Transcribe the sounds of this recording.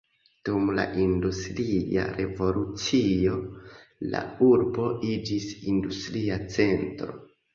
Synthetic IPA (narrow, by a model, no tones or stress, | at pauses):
d̥umla̰ʔindustɾia̰ɾe̞vo̞lut͡sio̞la̰uɾbo̞id͡ʒisindustɾiat͡se̞ntɾo̞